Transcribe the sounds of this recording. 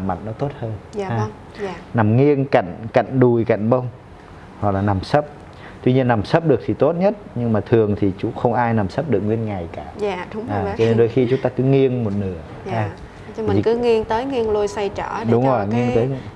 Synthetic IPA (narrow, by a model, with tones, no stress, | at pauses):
ma̰˧˨jŋnɔ˨˦t̪o˦˥t̚həː˧nː˨aː˧˨ | na˨˩mŋi˧ənka̰˧˨jŋ̟ka̰˧˨jŋ̟ɗu˨˩jka̰˧˨jŋ̟ɓə˧wŋ͡m | ha̰˨˩k̚laː˨˩na˨˩msə˦˥p̚ | t̪wi˧ɲi˧ənːa˨˩msə˦˥p̚ɗɨ˨˩ək̚t̪ʰi˨˩t̪o˦˥t̚ɲə˦˥t̚ɲɨ˧ŋmaː˨˩t̪ʰɨ˨˩əŋt̪ʰi˨˩t͡ɕṵ˧˥xə˧wŋ͡mʔaː˧jna˨˩msə˦˥p̚ɗɨ˨˩əkŋwi˧ənŋa˨˩jkaː˧˩˨ʔaː˨˩t͡ɕɔ˧ne˧nɗo˧jxi˧t͡ɕʊ˨˦ŋ͡mt̪aː˧kɨ˨˦ŋi˧ənmo˨˩t̚nɨ˧˩˦ə | a˧ | mi˨˩kɨ˨˦ŋi˧əŋt̪əː˨˦jŋi˧əŋnlu˧jsa˧jt͡ɕɔ˧˩ɗʊ˨˦ŋ͡mzo˨˩˨jŋi˧ənt̪əː˨˦j